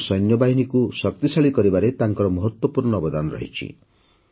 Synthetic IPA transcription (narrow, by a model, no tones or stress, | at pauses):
sɔjnjɔbaɦinikusɔt̪isaɭikɔɾibaɾet̪aŋkɔɾɔmɔɦɔt̪wɔpuɾnɔːbɔd̪anɔɾɔ̰ɦḭt͡ʃʰḭ